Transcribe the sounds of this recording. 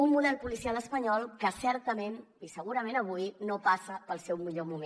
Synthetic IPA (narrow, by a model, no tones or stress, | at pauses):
ummuðɛlˠpulisialˠəspəɲɔlˠkəsɛɾt̪əmen | isəɣ̞uɾəmenəβ̞ujnopasəpəlˠsɛwmiʎomume